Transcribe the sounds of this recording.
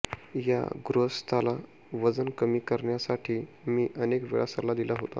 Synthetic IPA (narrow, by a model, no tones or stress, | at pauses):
ja̰ɡɾost̪ʰala | ʋəd͡zənkəmiːkəɾɳjasaʈʰiː | miːʔənekʋḛɭasəɾlad̪ilaɦot̪a̰